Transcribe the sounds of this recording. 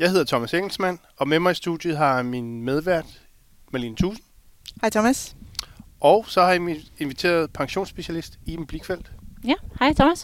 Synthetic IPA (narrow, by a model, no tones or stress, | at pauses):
jɑɪhe̝ðˠɐt͡sʰɒ̽mæseŋ̰l̩smæn̰ | ɒ̽memɑ̈ɪisd̥ud̥jəɦɑ̈minmeð̞ˠʋæɐ̰d̥ | mɑlint͡sʰuːsn̩ | hɑ̈ɪt͡sʰɒmæs | ʔɒʊsɒ̽hɑ̈jimie̝nʋit͡sʰe̝̰ːɐð̞̩ˠpʰɑ̈ŋɕo̝̰ːnsb̥e̝ɕælisd̥ipʰub̥liɡ̥fel̰d̥hɑɪt͡sʰɔmæs